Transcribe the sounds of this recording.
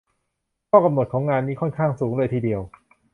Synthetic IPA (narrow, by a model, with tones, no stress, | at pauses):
kʰɔː˥˩ka˧mno˨˩t̚kʰɔː˩˦ŋaː˧nːiː˦˥kʰɔ˥˩nkʰaː˥˩ŋsuː˩˦ŋlɤː˧jt̪ʰiː˧di˧əw